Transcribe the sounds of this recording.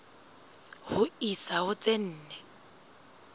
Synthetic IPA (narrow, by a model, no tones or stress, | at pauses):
hʊisaɦʊt͡sʼen̩ːnɛ